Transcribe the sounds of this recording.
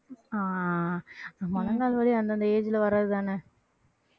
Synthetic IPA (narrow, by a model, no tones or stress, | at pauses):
aː | amɔnɐŋɡaːlʋɐliɐnd̪ɐnd̪ɐeːd͡ʒɪlɐʋɐɾaːðɯt̪aːnɛ